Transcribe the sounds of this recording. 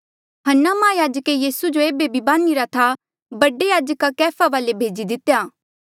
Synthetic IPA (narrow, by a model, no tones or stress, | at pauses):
ɦɐnːamãːjaːd͡ʒəkejiːsud͡ʒoeːbebʱibãːniːɾat̪ʰa | bɐɖejaːd͡ʒəkakɛːpʰaʋaːlebʱeːd͡ʒid̪ɪt̪ːejaː